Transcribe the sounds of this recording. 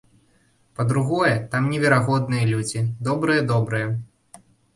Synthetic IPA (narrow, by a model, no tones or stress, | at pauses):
pɐd̪ɾuɣɔjɛt̪amnʲɛvʲɛɾaɣɔd̪nɨjɐlʲud͡zʲid̪ɔbɾɨjɐd̪ɔbɾɨjɛ